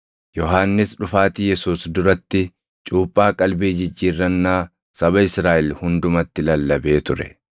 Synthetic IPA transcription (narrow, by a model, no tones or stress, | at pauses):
jɔɦaːnːɪsᶑʊfaːt̪ijɛsuːsd̪ʊɾɐt̪ːɪ | t͡ʃʼuːpʼːaːkʼɐlbeːd͡ʒɪd͡ʒːiːrːɐnːaː | sɐbɐɪsɾaːʔɛlhʊnd̪ʊmɐt̪ːɪlɐlːɐbe̞ːt̪ʊɾɛ̥̰